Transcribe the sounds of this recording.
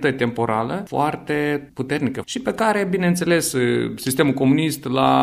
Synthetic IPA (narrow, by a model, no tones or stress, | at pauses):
t̪ət̪̚ʲt̪e̞mpo̞ɾaləfoart̪e̞put̪e̞rnikəʃipe̞kaɾe̞bine̞nt̪se̞le̞ssist̪e̞mulko̞munist̪la